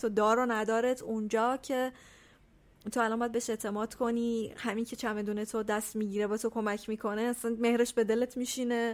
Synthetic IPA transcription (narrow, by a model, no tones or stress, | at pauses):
t̪ʰod̪ɒːɾonæd̪ɒːɾet̪ʰund͡ʒɒːcʰe̞ | t̪ʰo̞ælɒnmbɒjæd̪beeʃe̞t̪ʰe̞mɒːd̪̥kʰo̞niːhæmiːncʰe̞t͡ʃʰæme̞d̪uːnet̪ʰod̪æst̪miːɟiːɾebɛt̪ʰokʰo̞mæcʰmiːkʰo̞neæsænme̞hɾeʃbe̞d̪e̞let̪ʰmiʃine̞